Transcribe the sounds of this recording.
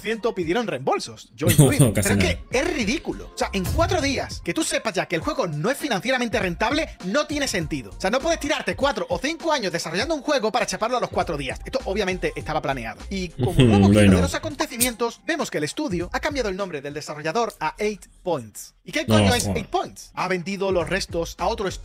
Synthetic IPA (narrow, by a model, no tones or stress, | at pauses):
θje̞nt̪opiðje̞ɾonre̞mbo̞lso̞sʝoiieoeskeesriðikulo̰seaʔe̞ŋkwat̪ɾo̞ðiaske̞t̪use̞pazʝakeːlxwe̞ɣono̞e̞sfinãnθje̞ɾamẽnt̪ere̞nt̪aβle̞no̞t̪je̞ne̞se̞nt̪iðo̞seano̞pweð̞e̞st̪iɾaɾt̪e̞kwat̪ɾoʔoθiŋkoaɲo̞zðe̞saro̞ʝand̪ouŋxwe̞ɣ̞o̞paɾat͡ʃapaɾloalo̞skwat̪ɾo̞ðiase̞st̪oʔoβjamẽnt̪e̞ʔest̪aβaplane̞aðoikomokokoðelo̞sako̞nt̪e̞θimjẽ̞nt̪o̞sbe̞mo̞skelest̪uðjoakambjaðoelnõmbɾe̞ðe̞ld̪e̞saro̞ʝaðo̞ɾaejt̪pojnt̪s | ikejoɲoesejt̪̚pojnt̪saβe̞nd̪iðo̞lo̞sre̞st̪o̞sao̞t̪ɾoes